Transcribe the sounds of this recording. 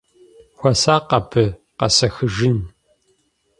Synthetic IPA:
xʷɔsaːqɐpʰɨ | qɐ̰sɐxɨʒɪn

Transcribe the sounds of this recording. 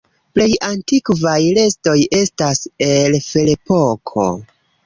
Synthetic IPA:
ple̞jantikvajle̞sto̞je̞staselfelepo̞kʰo̞̰

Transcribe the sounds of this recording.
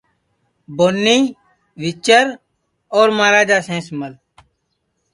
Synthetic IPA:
boːnːiː | ʋɪt͡ʃəɾ | ɔːɾmaːɾaːd͡ʒaːsẽːsməl

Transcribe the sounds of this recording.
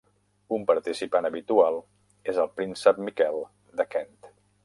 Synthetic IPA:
umpəɾt̪isipanəβit̪ualˠ | ezəlˠpɾinsəp̚mikɛlˠ | d̪əkɛnt̪

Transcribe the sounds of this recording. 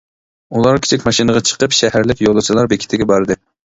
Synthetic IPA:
ulˠɑɾkʲʰe̥t͡ʃʰikʲmɑʃinəʁɑt͡ʃʰə̥qəpʃɛhæɾlɪkʲjolˠɨt͡ʃʰilˠɑɾbekʲʰt̪ʰɪɡʲɛbɑɾd̪ɨ

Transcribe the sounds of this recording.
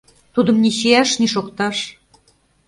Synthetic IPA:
t̪ud̪ə̆mniɕijæʃniʃokt̪ɑʃ

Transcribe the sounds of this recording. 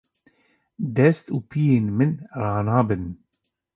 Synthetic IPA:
d̪ɛst̪uːpijeːnmɨnɾɑːnɑːbɨn

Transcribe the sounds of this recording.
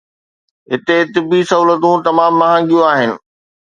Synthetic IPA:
ɦɪt̪et̪ɪbisɐɦuːlət̪ũt̪ɐmaːmːɐɦãːŋɡijũaːɦɪnɪ̆

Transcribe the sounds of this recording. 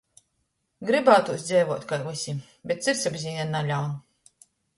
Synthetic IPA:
ɡɾɨbaːt̪uɔsd̪zʲɛːvɔɔt̪kajusʲi | bʲɛt̪t̪siɾsʲabʲzʲiːnʲɛnnːalʲawn

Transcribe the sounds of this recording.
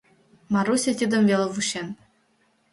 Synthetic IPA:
mɑɾusʲĕt̪ʲid̪ɤ̆mvʲelʲˠɤ̆vuɕen

